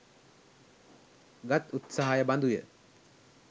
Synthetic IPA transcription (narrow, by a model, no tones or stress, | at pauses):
ɡat̪ut̪saɦajəband̪ujə